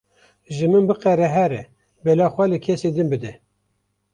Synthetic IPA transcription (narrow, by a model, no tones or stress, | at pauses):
ʒɨmɨnbɨqɛɾɛɦɛɾɛ | bɛlɑːxʷɛlɨkʰɛsed̪ɨnbɨd̪ɛ